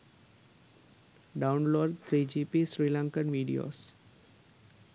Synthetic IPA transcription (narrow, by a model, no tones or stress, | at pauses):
ɖaʊnloːɾɖt̪ʰɾiːd͡ʒipisɾiːlãŋkənʋiːɖḭjo̰ːs